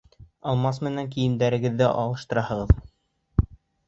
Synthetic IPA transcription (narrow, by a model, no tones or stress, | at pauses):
ɑlˠmɑsmɘ̆næŋkijɘ̆md̪æɾɘ̆ɡɘ̆ðːɘʔɑ̰lˠɤ̆ʃt̪ɤ̆ɾɑhɤ̆ʁɤð